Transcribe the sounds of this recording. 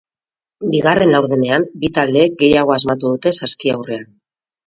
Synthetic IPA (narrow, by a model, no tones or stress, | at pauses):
biɣ̞are̞nawɾðene̞ambit̪ald̪e̞ːk̚ɡe̞jaɣ̞o̞azmat̪uðut̪e̞saskiawre̞an